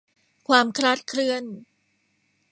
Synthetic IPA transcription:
kʰwaː˧mkʰɾaː˦˥t̪̚kʰɾɯ˧ən

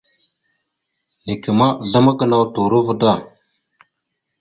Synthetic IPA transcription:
ne˨ki˨ma˦˨ɮa˦ma˦ɡə˨na˦wtu˨ɾə˦və˦da˦˨

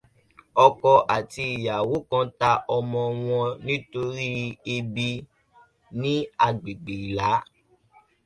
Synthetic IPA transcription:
ɔ˧kɔ˧ʔa˨ti˧i˨ja˨wo˨˦kã˨˦ta˧ʔɔ˧mɔ̃˧w̃ɔ̃˧nĩ˦to˧ɾi˦e˧bi˧ | nĩ˦a˧ɡ͡bi˨ɡ͡bi˨la˨˦

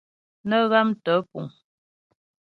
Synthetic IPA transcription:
nə˦ɣa˦mtə˨˦pṵ˨ŋ

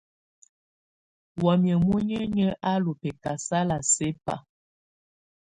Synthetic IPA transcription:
wɔ˨mjə˨mu˦ɲə˦ɲə˦ʔa˦lo˨pɛ˨ka˨sa˦la˨se˦pa̰˨

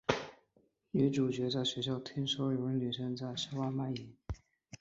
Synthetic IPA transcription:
i˧˥ʈ͡ʂu˨˩t͡ɕɥɛ˧˥t͡sa˥˩ɪɕɥɛ˧˥ɕjɑ˥˩ʊt̪ʰi˥ŋʂo˥ʊjo˧˥ə˧˥ny˨˩ʂə˥ŋt͡sa˥˩ɪʂə˥wa˥˧ma˥˩ɪi˨˩˦

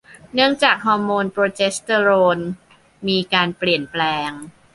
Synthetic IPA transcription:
nɯ˥˩əŋt͡ɕaː˨˩k̚ɦɔː˧moː˧npɾoː˧t͡ɕe˦˥st̪ə˧ɾoː˧n | miː˧kaː˧npli˨˩ənplɛː˧ŋ

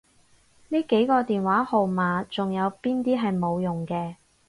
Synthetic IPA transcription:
niː˥ke˨˥jkɔː˧t̪iː˨nwaː˨˥ho˨wmaː˨˧t͡sʊ˨ŋjɐ˨˧wpiː˥nt̪iː˥ɦɐ˨jmo˨˧wjʊ˨˩ŋkɛː˧

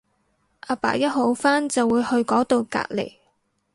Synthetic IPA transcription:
ʔaː˧pa̰ː˨˩jɐ˥t̚ɦo˨˥wfaː˥nt͡sɐ˨wːuː˨˧jhɵ˧ɥkɔː˨˥t̪o˧wka̰ː˧k̚lḛ˨˩j

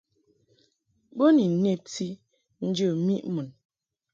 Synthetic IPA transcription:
bo˦ni˨ne˦p̚ti˦ | n̩˦d͡ʒə˦˨mi˦ʔmu˨n

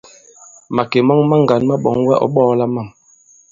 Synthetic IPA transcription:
ma˨ke˨mɔ˦ŋma˦ŋ˨ɡa˨˦nma˦ɓɔ˨ŋwɛ˦ʔɔ̰˨˦ɓɔː˦la˦ma˦˨m

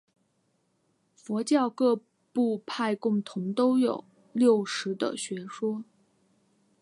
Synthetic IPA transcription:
fwɔ˧˥t͡ɕjɑ˥˧ʊkɤ˥˧ | pu˥˧pʰa˥˧ɪkʊ˥˩ŋt̪ʰʊ˧˥ŋt̪o˥ʊjo˨˩˦ʊ | ljo˥˩ʊʂɻ̩˧˥d̪ə̰˧ɕɥɛ˧˥ʂwɔ˥

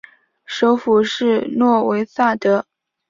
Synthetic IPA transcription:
ʂo˧˥ʊfu˨˩ʂɻ̩˥˩nwɔ˥˩we˧˥ɪsa˥˩t̪ɤ˧˥

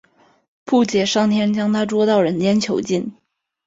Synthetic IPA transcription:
pʰu˥˩t͡ɕjɛ˨˩ʂɑ˥˩ŋt̪ʰjɛ˥nt͡ɕjɑ˥ŋt̪ʰa˥ʈ͡ʂwɔ˥t̪ɑ˥˩ʊɻə˧˥nt͡ɕjɛ˥nt͡ɕʰjo˧˥ʊt͡ɕi˥˩n

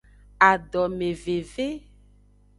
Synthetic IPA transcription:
a˨ɖɔ˨me˨ve˨ve˦

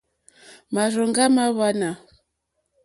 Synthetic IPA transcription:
ma˨ɾɔ˨ŋɡa˦ma˦βa˦na˨

